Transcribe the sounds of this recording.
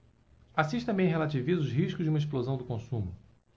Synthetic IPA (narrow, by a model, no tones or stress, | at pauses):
asiʃt̪ɐ̃mbẽj̃ɦelat͡ʃivizʊzɦiʃkʊzʒd͡ʒɪũmis̬plozɐ̃w̃d̪ʊkõsũmʊ